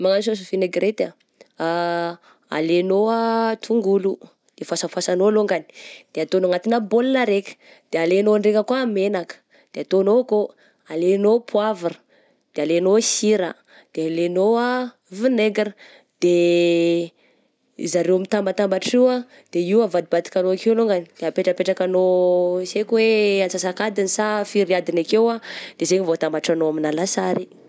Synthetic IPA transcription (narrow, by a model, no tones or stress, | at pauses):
maŋanis̬os̬fineɡɾet̪a | a | a̰lenoat̪ʰuŋɡulu | d̪̥efasafasanoaloŋɡani̥d̪̥eat̪onoŋat̪inabolinaɾekʲə̥ | d̪̥ealenoɳɖ͡ʐekʲəkwamenakə̥ | d̪̥eat̪onoko | alenopʰwavarə | d̪̥ealenosiɾa | d̪̥ealenoa | vineɡəɾə | d̪̥e | ḭzaɾewamit̪ambat̪ambaʈ͡ʂiwa | d̪̥eiwavad̪ibat̪i̥kanoakiwluŋɡanid̪̥eapeʈ͡ʂəpeʈ͡ʂakanosekweat͡sasakad̪inisafiɾiad̪inakewad̪̥ezeŋivot̪ambaʈ͡ʂanoaminalasaɾi